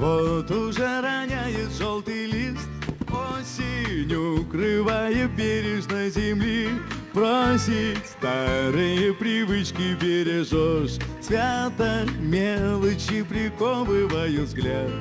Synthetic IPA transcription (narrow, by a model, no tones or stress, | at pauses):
vot̪ʊʐɛɾanʲajɪt̪ʐolˠt̪ɨjlʲistt̪osʲɪnʲukɾɨvajəbʲeɾʲɪʂnəzʲɪmlʲipɾosʲɪst̪aɾɨjəpɾʲɪvɨt͡ɕkʲɪpʲɪɾʲɪʐoʂsvʲat̪əmʲelˠət͡ɕɪpɾʲɪkobɨvajuvzɡlʲat̪